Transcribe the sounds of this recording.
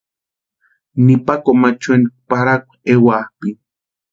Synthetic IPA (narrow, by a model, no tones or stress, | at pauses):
nipakomat͡ʃenipaɾakʷewahpi